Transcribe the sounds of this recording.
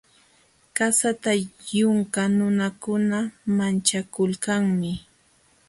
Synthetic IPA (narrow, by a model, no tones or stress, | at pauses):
kasat̪ajʊŋkanʊnakʊnamant͡ʃakʊlkaŋmɪ